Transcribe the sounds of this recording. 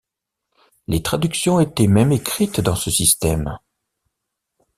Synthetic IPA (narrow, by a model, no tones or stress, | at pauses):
let̪χad̪yksjɔ̃et̪ɛmɛmekχit̪d̪ɑ̃səsist̪ɛm